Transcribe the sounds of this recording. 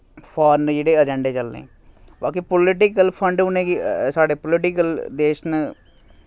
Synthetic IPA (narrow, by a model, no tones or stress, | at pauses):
pʰaːɾnd͡ʒeːɽeːəd͡ʒɛɳɖeːt͡ʃəlːḛ̃ː | baːkipʊlɪʈɪkəlpʰəɳɖʊnẽːkisaːɽeːpʊlɪʈɪkəld̪eːʃnə